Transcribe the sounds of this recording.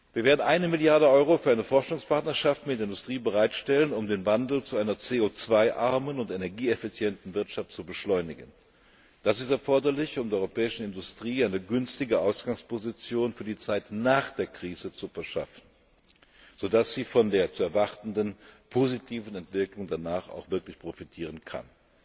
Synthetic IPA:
v̥iːɐveːɐdn̩ʔaɪnəmɪljaɐdəʔɔʏʁofyːɐaɪnəfɔɐʃʊŋspʰaɐtnɐʃaftmɪtdeɐɪndʊstʁ̥iːbəʁaɪtʃtɛlənʊmdeːnvandl̩t͡suʔaɪnɐt͡seːot͡sv̥aɪʔaɐmənʊntenɛɐɡiːefit͡sjɛntn̩vɪɐtʃaftt͡subəʃlɔʏnɪɡən | d̥asɪstɛɐfɔɐdɐlɪçʊmdeːɐɔʏʁopʰɛːɪʃn̩ɪndʊstʁ̥iːaɪnəɡʏnstɪɡəʔaʊsɡ̥aŋspozit͡sjoːnfyːɐdiːt͡saɪtnaːχd̥eːɐkʁ̥iːzət͡sufɛɐʃa̰fn̩ | z̥oːdasz̥iːfɔndeːɐt͡suɛɐvaʁtn̩dənpʰozitʰiːvn̩ɛntv̥ɪklʊŋdanaːχa̰ʊxv̥ɪɐklɪçpʁ̥ofitʰiːʁ̞ənkʰa̰n

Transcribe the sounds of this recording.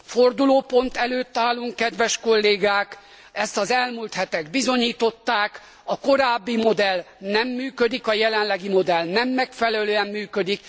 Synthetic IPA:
fo̞rd̪uloːpo̞nt̪ɛløːt̪ːaːlːuŋkːɛd̪ʋɛʃko̞lːeːɡaːk | ɛst̪ɒzɛlmuːlt̪hɛt̪ɛɡbizo̞ɲiːt̪o̞t̪ːaːk | ɒko̞ɾaːbːimo̞d̪ɛl | nɛmːyːkød̪ikɒjɛlɛnlɛɡimo̞d̪ɛlnɛmːɛkfɛlɛløːɛmːyːkød̪ik

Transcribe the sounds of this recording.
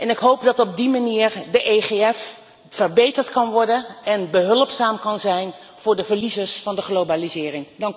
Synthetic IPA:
ʔɛnɪkɦowpdɑtɔb̚dimaniːɹdəʔejχeɛf | fəɹbejtəɹtkɑnʋɔɹdənɛnbəɦɵlˠpsaːmkɑnzɛjn | v̥ʊːɹdəvəɹlizəɹsfɑndəχlowbalizɪːrɪŋdɑŋ

